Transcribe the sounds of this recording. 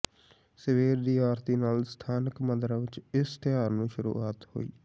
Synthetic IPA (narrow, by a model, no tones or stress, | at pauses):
səʋeːɾd̪iːaːɾt̪iːnaːlst̪ʰaːnəkməd̪ɾaʋɪt͡ʃɪst̪ɪjaːɾnũːʃʊɾṵːaːt̪ho̰ːḭː